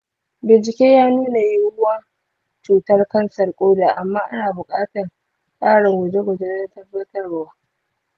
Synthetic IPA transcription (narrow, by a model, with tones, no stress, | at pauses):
bɪ˨nt͡ʃɪ˨kʲeː˦jaː˦nuː˦na˨ji˦wʊ˦waː˦ | t͡ʃuː˨tɐ˦rkɐ˦nsɐ˨rkʷʼoː˦daː˨ʔa˨mːaː˦ʔa̰˦naː˨bʊ˨kʼaː˦tɐ˨r | kʼaː˦ɽɪ˨ŋɡʊ˨d͡ʒe˦ɡʷʊ˨d͡ʒe˦nɐ˦ntɐ˦bːɐ˦tɐ˦rwaː˦